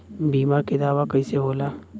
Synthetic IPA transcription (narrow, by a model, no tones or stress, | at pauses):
biːmaɾked̪aːʋakɐiseɦoːlaː